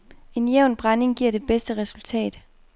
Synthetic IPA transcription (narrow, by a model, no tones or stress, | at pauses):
e̝njeʊnb̥ʁane̝ŋɡ̥iɐ̰ɾ̥e̝b̥esd̥əʁɛsult͡sʰɛ̰ːd̥